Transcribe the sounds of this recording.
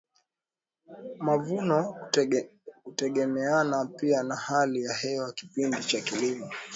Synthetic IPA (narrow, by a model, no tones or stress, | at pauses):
mavunɔ | kutɛɠɛmɛanapianahalijahɛwaki̥pindit͡ʃakilimɔ